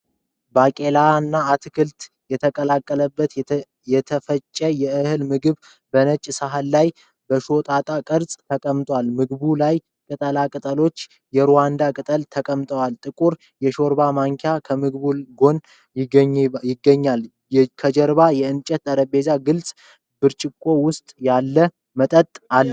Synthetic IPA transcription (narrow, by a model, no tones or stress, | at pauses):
bakʼe̞lanːaːt̪ʰɨkʰɨlt̪ | jɛt̪ʰəkʼəlakʼːələbːət̪ | jɛt̪ʰəfət͡ʃʼːəjɛɨhɨlmɨɡɨβ | bənət͡ʃʼːsaɦalːaj | bəʃo̞t̪ʼat̪ʼakʼɨɾsʼt̪ʰəkʼəmt̪ʼwalmɨɡbulaj | kʼɨt̪ʼəlakʼɨt̪ʼəlo̞t͡ʃː | jɛɾowand̪akʼɨt̪ʼəlt̪ʰəkʼəmt̪ʼəwalt̪ʼɨkʼuɾ | jɛʃo̞ɾbamaŋkʰjakʰəmɨɡβuɡo̞n | jjɪɡːəɲːal | kʰəd͡ʒəɾbajɛɨnt͡ʃʼət̪t̪ʼəɾəbe̞zaɡɨlsʼ | bɨɾt͡ʃʼɪkʼːo̞wʊst̪ʼjalːə | mət̪ʼət̪ʼalː